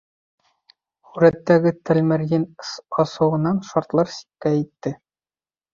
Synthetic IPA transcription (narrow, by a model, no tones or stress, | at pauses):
χʉɾæt̪ːæɡɘt̪æ̆lmɘ̆ɾjɘnɒsɤ̆wɤ̆nɑnʃɑɾt̪lˠɑɾsi̥kːæit̪ːɘ